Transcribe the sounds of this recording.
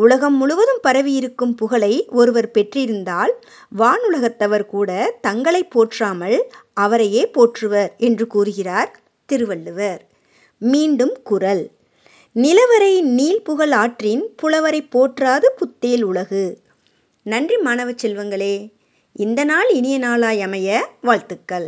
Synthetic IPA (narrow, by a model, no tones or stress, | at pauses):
ʊlɐɣɐmːʊɻɯʋɐðɯmpɐɾɐʋɪjɪɾɯkːɯmpʊɣɐɭɐɪɔɾɯʋɐɾpɛʈrɪɾɯnd̪aːl | ʋaːɳɯɭɐɣɐt̪ːɐʋɐɾkuːɽɐt̪ɐŋɡɐɭɐɪpːoːʈraːmɐɭɐʋɐɾɐjeːpoːʈrɯʋɐɾɛndrɯkuːɾɯɣɪraːɾ | t̪ɪɾɯʋɐɭːɯʋɐɾ | miːɳɖɯmkʊrɐl | nɪlɐʋɐɾɐɪniːlpʊɣɐɭaːʈrɪnpʊlɐʋɐɾɐɪpːoːʈraːðɯpʊt̪ːeːlʊɭɐɣɯ | nɐndrimaːnɐʋɐt͡ʃːɛlʋɐŋɡɐɭeː | ɪnd̪ɐnaːlɪnɪjɐnaːlaːjɐmɐjɐʋaːɭt̪ɯkːɐɭ